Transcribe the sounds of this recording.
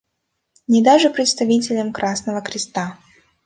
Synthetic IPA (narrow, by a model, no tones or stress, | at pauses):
nʲɪd̪aʐɨpɾʲɪt̪st̪ɐvʲitʲɪlʲəmkɾʔasnəvəkɾʲɪst̪a